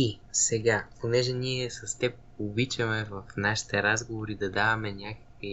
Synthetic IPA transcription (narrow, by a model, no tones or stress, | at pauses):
isɛɡaponɛʒɛniɛsɐst̪ɛp̚ | obit͡ʃɐmɛvɐfnaʃi̥t̪ɛɾazɡovoɾid̪ɐd̪avɐmɛnʲakə̥k̚vi